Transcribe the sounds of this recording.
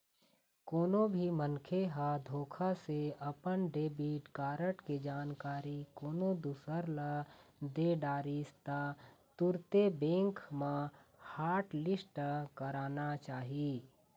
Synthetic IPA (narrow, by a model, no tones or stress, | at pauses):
koːnobʱimənkʰeɦad̪ʱoːkʰaseɐpənɖeːbiːʈkaːɾəʈked͡ʒaːnkaːɾikoːnod̪usəɾlad̪eɖaːɾist̪at̪ʊɾt̪ebẽːŋkmãhaːɾʈlɪsʈkəɾaːnat͡ʃaːɦiiː